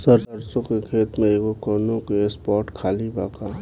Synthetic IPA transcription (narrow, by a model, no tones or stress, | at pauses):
səɾd̪əɾsõkekʰeːt̪mẽeɡokəːnõkiespɔːɾʈkʰaːlibaːkaː